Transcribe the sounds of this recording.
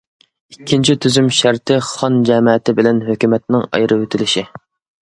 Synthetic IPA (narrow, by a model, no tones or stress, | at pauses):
ikʲʰːint͡ʃʰit̪ʰyzymʃæɾt̪ʰɪχɑnd͡ʒɛmɛt̪ɪbɪlɛnɦøkʲymɛt̪̚nɪŋɑ̰jɾʔɨøt̪ʰɪlɪʃi